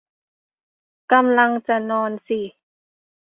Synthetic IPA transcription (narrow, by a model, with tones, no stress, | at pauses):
ka˧mla˧ŋt͡ɕa˧nɔː˧nsi˧˩